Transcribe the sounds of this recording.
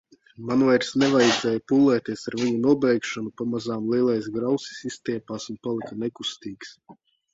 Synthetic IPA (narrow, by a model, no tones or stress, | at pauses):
manvajɾsnɛvajd̪ɛːjpulˠːɛːt̪iɛsaɾvʲiɲunuɔbɛjkʃɔnupamazaːmlˠiɛlˠajs̬ɡɾawsi̥sist̪ʲiɛpaːsunpalˠikanekust̪iːks